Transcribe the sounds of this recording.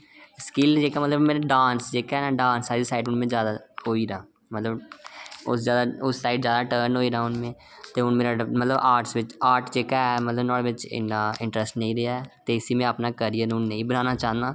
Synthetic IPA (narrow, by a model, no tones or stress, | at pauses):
skɪld͡ʒeːkaːmət̪ləbmeːɾɖaːnsd͡ʒeːkːɛːnaːɖãːnsaːɾisaːɪɖʊnmẽːd͡ʒjaːd̪aːɦoːiːɾaː | mət̪ləb | ʊ̰sd͡ʒjaːd̪aːʊsːaːɪɖzjaːd̪aːʈəːɾnɦoːiːɾaːʊnmẽː | t̪eːʊnmeːɾaːmət̪ləbaːɾʈsʋɪt͡ʃaːɾʈd͡ʒeːkaːɛmət̪ləbnɔːɽʋɪt͡ʃɪ̰naːɪ̃ɳʈɾəsʈnə̃ĩːɾeaɛt̪eːɪsiːmɛ̃əpnaːkəɾijaːnũːnə̃ĩːbənaːnaːt͡ʃaːnd̪aː